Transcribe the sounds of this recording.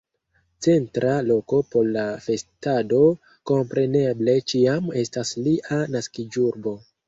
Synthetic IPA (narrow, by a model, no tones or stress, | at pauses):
t͡se̞ntɾʔalo̞ko̞po̞ɾlafe̞stado̞ | ko̞mpɾe̞ne̞ble̞t͡ʃiame̞stasliʔanaskid͡ʒuɾbo̞